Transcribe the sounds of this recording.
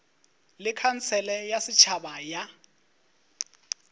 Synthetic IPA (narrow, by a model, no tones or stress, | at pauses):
lɪkʰan̩t͡sʰɛlɛjasɪt͡ʃʰabaja